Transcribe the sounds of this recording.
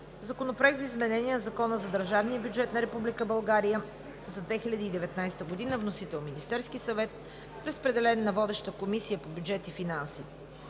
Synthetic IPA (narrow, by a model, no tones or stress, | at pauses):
zɐkonopɾoɛk̪zəizmɛnɛnʲiɛnɐzɐkɔnəzɐd̪əɾʒavnijəbjud͡ʒɛt̪nɐɾɛpublikəbɐlˠɡaɾijə | zɐd̪vɛxilʲɐd̪iːd̪ɛvɛt̪najst̪əɡod̪inəvnosit̪ɛlˠminist̪ɛɾskisɐvɛt̪̚ | ɾəspɾɛd̪ɛlɛnːɐvɔd̪ɛʃt̪əkomisijəpobʲjud͡ʒɛt̪ifinansi